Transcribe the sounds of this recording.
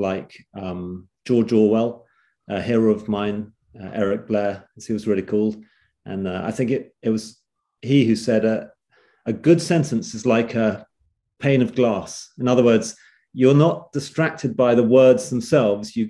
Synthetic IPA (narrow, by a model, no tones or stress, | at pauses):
laɪkʌ̃md̥ʒ̥ɔɹd͡ʒɔɹwɛlˠ | ʌhɪɹəʊʌvmãɪ̃n | ʌʔɛɹɪk̚b̥lɛɹɨz̥iwʌzlˠɹɛɾikʰɔlˠd̥ | ʔə̰̃nʌa̰ɪθɪ̃ŋkɪɾɪt̚wʌz̥ | hihʉsɛɾɨ | ɨɡʊd̥sɛ̃ntɨ̃nsɨzlaɪkʰə | pʰẽɪ̃nʌvɡlɑsɨ̃nʌðəwɜ˞dz̥ | jə˞nət̚d̥ɨstɹ̥æk̚tʰɨd̚baɪðəwɜ˞dzðə̃m̩sɛlˠvzjɨ